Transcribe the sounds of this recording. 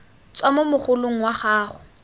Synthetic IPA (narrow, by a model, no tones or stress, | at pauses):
t͡swamʊmʊχʊlʊŋ̩waχaːχʊ